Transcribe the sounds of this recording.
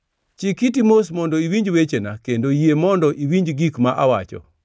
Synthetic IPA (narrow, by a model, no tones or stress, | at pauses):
t͡ʃikit̬imos̬mɔndɔiwiɲd͡ʒwet͡ʃena̰kendojiemɔndɔʔiwiɲd͡ʒɡikmaʔawat͡ʃɔ̰